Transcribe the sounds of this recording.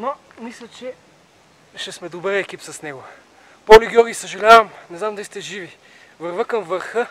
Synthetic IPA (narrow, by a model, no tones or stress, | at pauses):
no | mislʲət͡ʃɛ | ʃɛsmɛd̪obəɾɛkipsɐsnɛɡʊ | polʲiɡʲjɔɾɡʲisəʒɐlʲavɐmnɛzamd̪ɐlʲist̪ɛʒivi | vəɾvəkəmvəɾxɤ